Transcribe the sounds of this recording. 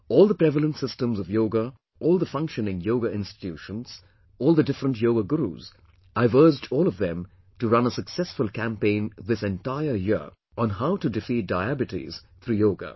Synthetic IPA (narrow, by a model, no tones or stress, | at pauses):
ɔːlˠðəpɹ̥ɛvələ̃ntsɪstə̃mzʌvjoʊɡə | ʔɔːlˠðəfʌ̃ŋkʃɨnɪ̃ŋjoʊɡəɪ̃nstɪ̥tʰjuʃə̃nz̥ | ɔːlˠðədɪfɾə̃ntjoʊɡəɡuɾṵz̥ | avɜ˞d͡ʒdɔːlˠɔvðɛ̃m | tɨɹʌ̃nəsəksɛsfəlˠkʰæ̃mpẽɪ̃nðɪsɛ̃ntaɪə˞jɪɹ | ʔə̃nɦaʊtɨdɨfit̚d̥aɪæbɨtḭz̥ | θʰɾuːjoʊɡə̰